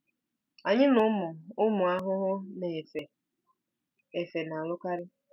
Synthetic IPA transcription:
a˨ɲɪ˦nʊ˨˦mʊ˨ʊ˦mʊ˨a˦ɦʊ˦ɦʊ˦ne˨fe˨ | e˨fe˨na˨lʊ˦ka˦ɾɪ˦

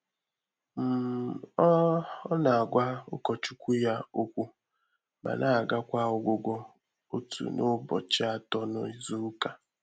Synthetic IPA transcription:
m̩˨˦ | na˨a˨ɡʷa˦ʊ̰˦kɔ˨t͡ʃu˦kʷu˦ja˦o˦kʷu˦ | ba̰˨na˦a˨ɡa˦kʷa˦ʊ˦ɡʷʊ˦ɡʷɔ˦ | o˦tʰṵ˨nʊ˦bɔ̰˨t͡ʃɪ˦a˦tɔ˦nɔ̰˦i˦zu˦ka˨

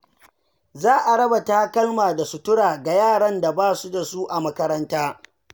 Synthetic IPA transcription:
zaː˦ʔa˨ɽɐ˦ba˨taː˦kɐ˦lmaː˨da˨su˨tʊ˦ɽaː˨ɡa˨jaː˦˨ɽɐ˦nda˨baː˦su˦da˨su˦ʔa˨mɐ˦kɐ˦ɾɐ˦ntaː˦

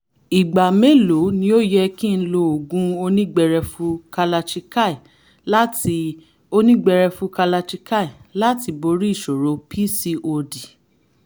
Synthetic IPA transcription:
i˨ɡ͡ba˨me˦lo˨˦nĩ˧˦o˦jɛ˧kĩ˦n̩˦lo˧o˨ɡũ˦o˧nĩ˦ɡ͡bɛ˧ɾɛ˧fũ˧˦ka˧la˧ʃi˧ka˦˨i˨ | la˦ti˧ | o˧nĩ˦ɡ͡bɛ˧ɾɛ˧fũ˧˦ka˧la˧ʃi˧ka˦˨i˨la˦ti˧˦bo˧ɾi˦˨ʃo˨ɾo˨˦pʰi˦si˧ʔo˧di˨

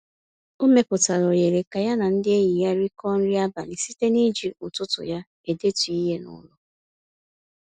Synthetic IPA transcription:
u˦me˦pʊ˨ta˨ɾo˨je˨ɾe˨ka˨ja˦na˨n̩˦dɪ˦e˦ji˨ja˦ɾi˦kɔ˦n̩˦ɾi˦a˦ba˨li˨si˦te˦ni˦d͡ʒi˨u˨tʊ˦tʊ̰˨ja˦ | e˨de˦tu˨i˦ɦe˦nʊ̰˦lʊ˨

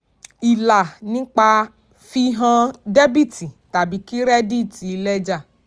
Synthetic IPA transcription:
i˨la˨nĩ˦k͡pa˧ | fi˧ɦã˧de˦bi˦tʰi˨ta˨bi˨˦ki˦ɾɛ˦di˦˨ti˨˧lɛ˦d͡ʒa˦˨

